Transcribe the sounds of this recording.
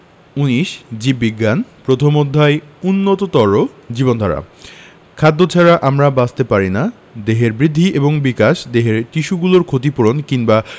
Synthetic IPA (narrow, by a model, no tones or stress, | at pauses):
uniʃd͡ʑibiɡːanpɾot̪ʰomod̪ʱːaeunːot̪ot̪ɔɾo | d͡ʑibond̪ʱaɾa̰ | kʰad̪ːot͡ɕʰaɾaʔamɾabast̪epaɾina | d̪eɦeɾbɾid̪ʱːiʔeboŋbikaʃd̪eɦeɾtiʃuɡuloɾkʰot̪ipuɾonkiŋba